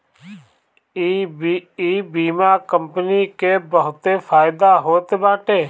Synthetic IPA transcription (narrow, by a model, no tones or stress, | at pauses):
iːbiːmaːkəmpəniːkeːbəɦʊt̪eːpʰaːɪd̪aːɦoːt̪ebaːʈeː